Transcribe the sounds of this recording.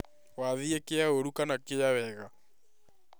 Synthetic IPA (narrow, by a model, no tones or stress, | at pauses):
waðiekeaoɾukanakejawɛɣa